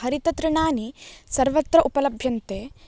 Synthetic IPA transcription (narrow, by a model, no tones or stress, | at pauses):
ɦɐɾit̪ɐt̪ɾɐɳaːnisɐɾʋɐt̪ːɾɐʔupɐlɐbʱjɐnt̪eː